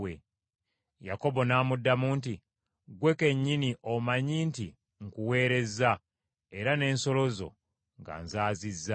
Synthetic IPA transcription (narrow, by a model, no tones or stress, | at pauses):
we | ja̰ko̞bo̞naːmudːamunti | ɡwe̞ke̞ɲːiniʔomaɲiːnti | ŋkuwe̞ːɾe̞zːa | e̞ɾane̞ːnso̞lo̞zo̞̰ | ŋɡa̰ːnzaːzizːa